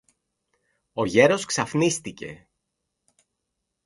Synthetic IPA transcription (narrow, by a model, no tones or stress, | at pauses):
o̞ʝe̞ɾo̞sksɐfnist̪ice̞̰